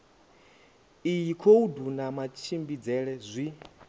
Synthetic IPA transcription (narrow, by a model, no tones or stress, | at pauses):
ijikʰoudunamat͡ʃʰimbid͡zɛɺɛzʷi